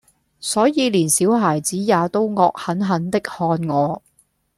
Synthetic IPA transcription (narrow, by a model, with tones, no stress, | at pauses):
sɔː˨˥jiː˨˧liː˨˩nsiː˨˥wɦaː˨˩jt͡siː˨˥jaː˨˧t̪o˥wŋɔː˧k̚hɐ˨˥nɦɐ˨˥nt̪ɪ˥k̚hɔː˧nŋɔː˨˧